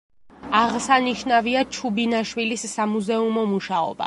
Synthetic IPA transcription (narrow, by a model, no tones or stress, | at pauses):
aʁsaniʃnaviat͡ʃʰubinaʃwilisːamuzɛumɔmuʃaɔ̰ba̰